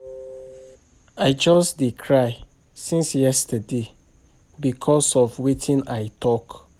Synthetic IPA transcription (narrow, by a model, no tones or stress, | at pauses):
aɪd͡ʒɔsdikʰɹaɪ | sĩnsjɛstəde | bikʰɔsɔvwitʰĩnaɪtʰɔk